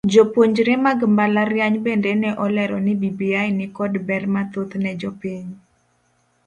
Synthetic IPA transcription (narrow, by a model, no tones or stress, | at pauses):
d͡ʒopwoɲd͡ʒɾemaɡmbalarjaɲbendɛnɛʔɔlɛɾɔnɪbibiajnɪkɔdbɛrmat̪ot̪nɛd͡ʒɔpiɲ